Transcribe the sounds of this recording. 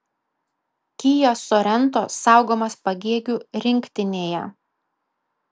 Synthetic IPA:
kʲiːjosoɾʲɛnˑt̪oːsɑˑʊɡoːmɐspɐɡʲiɛɡʲuːɾʲɪŋʲkʲt̪ʲɪnʲeːjɛ̰

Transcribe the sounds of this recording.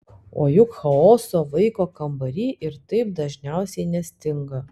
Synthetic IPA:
o̰ːjʊkxɐoːsoːʋɐɪkoːkɐmbɐɾʲiːʔɪɾt̪ɐɪp̚d̪ɐʒʲnʲæˑʊsʲɛɪnʲɛsʲt̪ʲɪŋɡɐ

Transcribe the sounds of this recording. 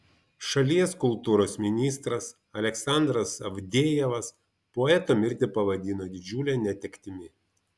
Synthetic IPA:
ʃɐlʲiɛskʊlˠt̪uːɾoːsmʲɪnʲiːst̪ɾɐs | ɐlʲɛksɑˑnd̪ɾɐsɐʋʲd̪ʲeːjɛʋɐs | poːɛt̪oːmʲɪɾʲt̪ʲɪpɐʋɐd̪ʲiːnoːd̪ʲɪd͡ʒʲuːlʲɛːnʲɛt̪ʲɛkʲt̪ʲɪmʲɪ

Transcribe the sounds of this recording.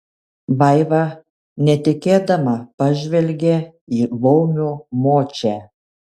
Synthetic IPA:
ʋɐɪʋɑ | nʲɛt̪ʲɪkʲeːd̪ɐmɐpɐʒʲʋʲɛlʲɡʲɛ | iːʋɔʊmʲumoːt͡ʃʲɛ

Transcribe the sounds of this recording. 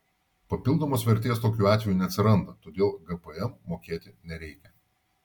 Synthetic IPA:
pɐpʲɪlˠd̪oːmoːsʋʲɛɾʲt̪ʲeːst̪oːkʲuːɑːt̪ʲʋʲɛjuːnʲɛɐt̪sʲɪɾɐnd̪ɐt̪oːd̪ʲeːlˠɡɐpɛɛmːoːkʲeːt̪ʲɪnʲɛɾʲɛɪkʲɛ

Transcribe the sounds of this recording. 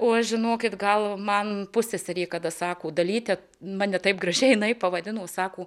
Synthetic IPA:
oːɐʃʒʲɪnoːkʲɪt̪ɡɐlˠmɐnpʊsʲesʲɛɾʲiːkɐd̪ɐsɑːkoːd̪ɐlʲiːt̪ʲɛ | mɑːnʲɛt̪ɐɪpɡrɐʒʲɛɪɪnɐɪpɐʋɐd̪ʲɪnoːsɑːkoː

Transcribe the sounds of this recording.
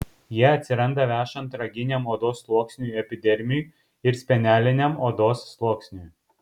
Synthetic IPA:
jiɛɐt̪ʲsʲɪɾɐnd̪ɐʋʲæːʃɐnt̪ɾɐɡʲɪnʲɛmoːd̪oːsːlˠoɔksʲnʲujɛpʲɪd̪ʲɛɾʲmʲuj | ɪɾsʲpʲɛnʲæːlʲɪnʲɛmoːd̪oːsːlˠoɔksʲnʲuj

